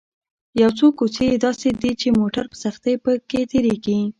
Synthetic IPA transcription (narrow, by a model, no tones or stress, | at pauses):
jawt͡sokːot͡sejed̪ɑsed̪it͡ʃemoʈaɾpə̥saxt̪epəket̪eɾeɡi